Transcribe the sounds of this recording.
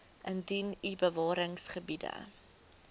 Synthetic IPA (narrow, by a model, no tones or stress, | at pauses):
ʔəndinibəvɑːɾəŋsχəbidə̰